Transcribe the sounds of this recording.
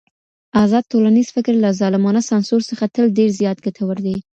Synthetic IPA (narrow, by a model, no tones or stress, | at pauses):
ɑzɑd̪̚t̪olaniz̥fɪkɾlazɑlɪmɑnasɑnsoɾsəxat̪əlɖeɾzjɑt̪̚ɡat̪ʰawəɾd̪i